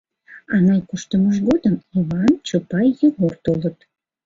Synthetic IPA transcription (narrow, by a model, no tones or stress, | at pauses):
ɑnɑjkuʃt̪əməʒ̬ɣod̪əmiβɑnt͡ɕopɑjːəɣort̪olət̪